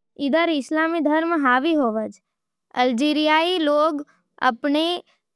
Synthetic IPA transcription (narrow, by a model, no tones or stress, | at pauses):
ɪd̪əɾɪslamid̪ʱəɾmɦaʋiɦoʋəd͡ʒ | ə̰ld͡ʒiɾijailoːɡ | ə̰pɳe